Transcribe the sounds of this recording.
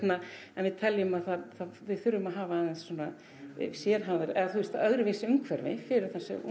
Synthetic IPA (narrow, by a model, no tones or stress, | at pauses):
t̪na | ɛnvɪðt̪ʰɛljʏmaðθaðθavɪðθʏɾːʏmaðɦaːvaaðanssɔːna | sjɛːɾ̥ɦawðɪɾɛðaθust̪θaœɣɾɪvɪsɪʏŋkʰvɛɾvɪ̰fɪɾɪɾ̥θasɛ̰ṵ